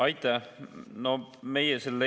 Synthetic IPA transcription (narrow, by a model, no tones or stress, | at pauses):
ɑjt̪ːˑɑnome̞jeselːe